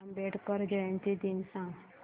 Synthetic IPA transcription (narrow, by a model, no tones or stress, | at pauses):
mbeʈʰkəɾd͡ʒəẽnt̪id̪insã